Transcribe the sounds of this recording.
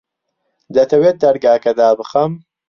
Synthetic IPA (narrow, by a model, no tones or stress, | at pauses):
d̪ɐt̪ʰɐwet̪̚d̪ɐɾɡaːkɐd̪aːbɨxɐm